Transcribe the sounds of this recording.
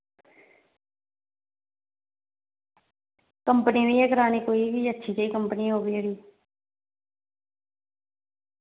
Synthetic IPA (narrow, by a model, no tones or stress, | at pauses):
kəmpəniʋiːeːkəɾaːnikoːiːbiətːʃʰiːt͡ʃaːiːkəmpəniɦoːbiːəɽiː